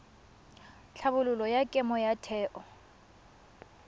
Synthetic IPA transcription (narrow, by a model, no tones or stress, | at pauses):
t͡ɬʰabʊlʊlɔjakʼɪmɔjatʰɛːʔɔ